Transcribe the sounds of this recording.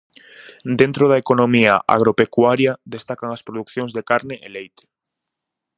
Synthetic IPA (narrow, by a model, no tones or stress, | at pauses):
d̪ent̪ɾoð̞aekonõmiaʔa̰ɣ̞ɾopekwaɾjad̪est̪akaŋɐspɾoðukθjõŋzðekaɾneʔelejt̪e̥